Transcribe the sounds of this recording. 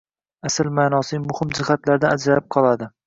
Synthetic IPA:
asɪlmaːnɒsɪmʊhɪmd͡ʒɪhat̪laɾd̪aad͡ʒɾaɪp̚qʰɒlˠad̪ɪ

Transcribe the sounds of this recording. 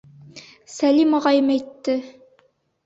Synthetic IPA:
sælimɑʁɑjɤmæjt̪ːɘ

